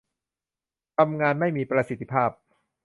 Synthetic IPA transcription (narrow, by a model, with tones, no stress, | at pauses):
t̪ʰa˧mŋaː˧nma˥˩jmiː˧pɾa˧si˨˩t̪ʰːi˦˥pʰaː˥˩p̚